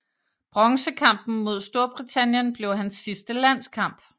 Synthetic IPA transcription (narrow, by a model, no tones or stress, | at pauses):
b̥ʁɒ̽ŋsəkʰɑ̈m̰b̥n̩mo̝ð̞̰ˠsd̥o̝ɐb̥ʁit͡sʰæn̰jənb̥le̝ʊɦænsːisd̥əlæn̰skʰɑ̈m̰b̥